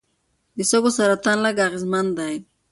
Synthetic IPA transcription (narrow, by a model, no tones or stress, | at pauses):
d̪isoɡosaɾat̪anlaɡaɣɪzmand̪aj